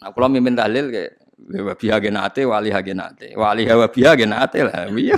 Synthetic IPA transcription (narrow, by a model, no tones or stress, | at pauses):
nakulomimpɪnt̪ahlɪlkɛ̰ | wewapiɦaɡɛnat̪ewaliɦaɡɛna̰t̪ḛwaliɦawapiɦaɡɛnat̪ela̰wi